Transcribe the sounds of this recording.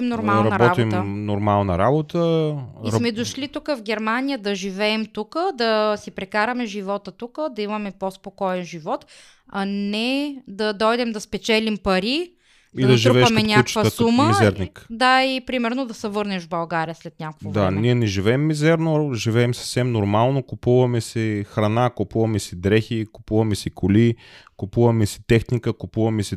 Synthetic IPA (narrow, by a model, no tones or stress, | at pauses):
imnoɾmanɾɐbɔt̪imnoɾmalˠnə̰ɾabot̪əiɾsmɛd̪oʃlit̪ukəvɡʲɛɾmanijəd̪ɐʒivɛːmt̪ukəd̪ɐsipɾɛkaɾɐmɛʒivɔt̪ət̪ukəd̪ɐimɐmɛpospokɔɛnʒivɔt̪ | ɐnɛd̪ɐd̪ɔjd̪ɛmd̪ɐspɛt͡ʃɛlimpɐɾi | id̪ɐʒiɾvɛːɐʃmɛnʲaukt͡ʃvəsuməmizɛɾnikd̪aipɾimɛɾnod̪ɐsɛvɤɾnɛʒvbɐlˠɡaɾijəslɛt̪̚nʲakvodvaniɛnɛʒivɛɛmːizɛɾnoʒivɛːmsɐ̥fsɛmnoɾmalˠnokʊpuvɐmɛsɛxɾɐnakʊpuvɐmɛsid̪ɾɛxikʊpuvɐmɛsikolikʊpuvɐmɛsi̥t̪ɛxnikəkʊpuvɐmɛsi